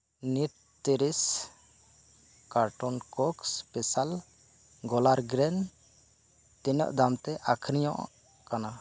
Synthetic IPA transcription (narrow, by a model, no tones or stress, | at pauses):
nit̪ | t̪iɾis | kaɾʈɔnkɔkspɛsal | ɡɔlaɾɡɾɛn | t̪ɛnɔ̰ʔd̪amt̪ɛʔakʰɾijɔ̰̃ʔ | kana